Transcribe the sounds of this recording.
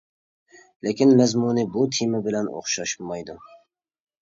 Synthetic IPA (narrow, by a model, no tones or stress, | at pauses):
lekʲʰɪnmæzmunɪbʊt̪ʰimɪbɪlano̰χʃɑʃmɑjd̪ʊ